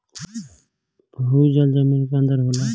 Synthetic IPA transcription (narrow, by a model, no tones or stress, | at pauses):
bɦud͡ʒəld͡ʒəminkeə̃nd̪əɾɦoːla